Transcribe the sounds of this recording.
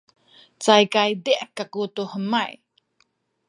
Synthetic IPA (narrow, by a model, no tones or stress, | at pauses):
t͡sajkajdiʔkːakutuhəmaj